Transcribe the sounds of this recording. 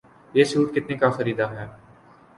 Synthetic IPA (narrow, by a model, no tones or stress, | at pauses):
jeːʃuːʈ̚kɪt̪nekaxɐɾiːd̪aɦɛː